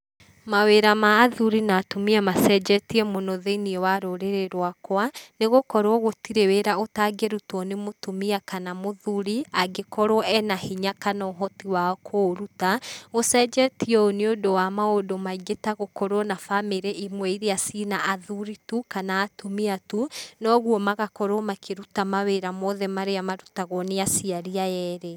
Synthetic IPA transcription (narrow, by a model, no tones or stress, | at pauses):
maweɾamaːðuɾinatomiamasɛd͡ʒɛtiɛmonɔðeiniɛwaɾoɾeɾeɾwakwaneɣokɔɾwɔɣotiɾeweɾaotaɡeɾutwɔnemotomiakanamoðuɾiaɡekɔɾwɔʔɛnahiɲakanɔɦɔtiwakʰoɾutaɣosɛd͡ʒɛtiɔoneodowamaodomaiɣetaɣokɔɾɔnafameɾɛʔimwɛiɾeasinaʔaðuɾitukanaːtumiatunɔɣwɔmaɣakɔɾɔmakʰeɾutamaweɾamɔðɛmaɾeamaɾutaɣɔneasiaɾiajɛːɾɛ